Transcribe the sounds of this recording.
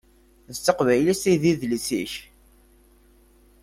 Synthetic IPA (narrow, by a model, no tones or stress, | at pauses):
ðət͡sːəqvæjlisiðiðlisḭç